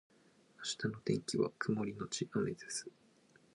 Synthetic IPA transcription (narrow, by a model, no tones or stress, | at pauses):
aɕi̥t̪ano̞t̪ẽ̞ŋkʲiβa̰kʰɯ̟mo̞ɾʲino̞t͡ɕiʔameze̞sɨ̥